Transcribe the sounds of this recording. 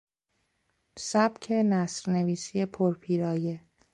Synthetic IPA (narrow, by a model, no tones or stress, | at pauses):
sæb̥cʰe̞næsɾne̞viːsijepʰoɾpʰiːɾɒːje